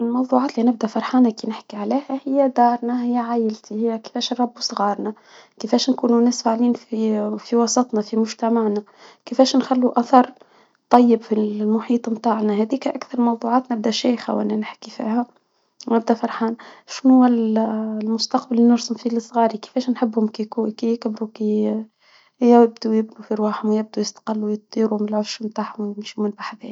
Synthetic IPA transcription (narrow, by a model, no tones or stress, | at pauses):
ɪlmɑwðˤuːʕɑːt̪linɪb̚d̪æfɑɾˤħaːnakinɪħkiʕaliːhæhɪjːæd̪ɑːɾˤnaɦɪjːæʕajɪlt̪ʰihɪjːæke̥fɛːʃnɾˤɑbːusˤɣɑːɾˤnæ | kefɛːʃnkuːnunæːsfaʕliːnfifiwɑsˤɑt̪ˤnɑfimʊʒt̪amaʕnæ | kɪfɛːʃnxælːuʔaθɑɾˤ | t̪ˤːɑjːɪbfilmʊħiːt̪ˤmt̪aːʕnæɦæd̪iːkæʔakθɑɾˤmɑwðˤuʕɑːt̪nɪb̚d̪æʃæːjxæ̰wʔæ̰nːænɪħkifḭːhæ | nɪb̚d̪æfɑɾˤħɑːnʃnhʊwːællmʊst̪ɑqbalːinɪɾsʊmfilɨsˤɣɑːɾikɪ̥fɛːʃnħɪbːhʊmkikukijɪkbɾuki | jɪbd̪ujɪbnufiɾwaːħʊmwjɪb̚d̪ujɪst̪qɪlːujɨt̪̚d̪ˤiːɾumɪlʕafʃʊmt̪aːʕhʊmwjɪmʃimɪlbaħbɛː